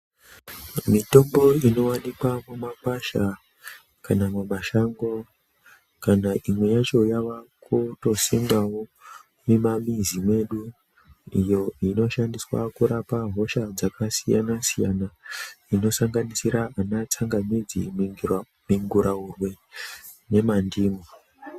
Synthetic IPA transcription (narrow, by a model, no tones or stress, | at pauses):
mito̞mbo̞ino̞wanikwamumakwaʃa | kanamumaʃaŋɡo̞ | kanaʔimwe̞jat͡ʃo̞jaʋakʰuto̞simawo | nemamizimwe̞ɗu | ijo̞ino̞ʃandiswa̰kuɾapaɦo̞ʃad͡zakasija̰nasijanaino̞saŋɡanisiɾaːnat͡saŋɡamid͡zḭmiŋɡur | miŋɡuɾaurwe̞ | ne̞mandiːmo